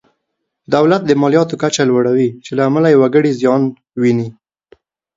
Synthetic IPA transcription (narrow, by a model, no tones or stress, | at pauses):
d̪awlat̪̚d̪əmɑlijɑt̪okat͡ʃalwaɽawit͡ʃelaːmalajawaɡəɽizjɑn | wini